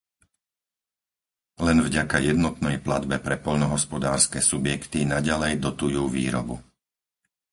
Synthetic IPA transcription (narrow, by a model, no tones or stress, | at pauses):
lɛnvɟakajɛd̪nɔt̪nɛjpla̰d̪bɛpɾɛpɔʎnɔɦɔspɔd̪aːɾskɛːsubjɛkt̪inaɟalɛjd̪ɔt̪ujuːʋḭːɾɔ̰bṵ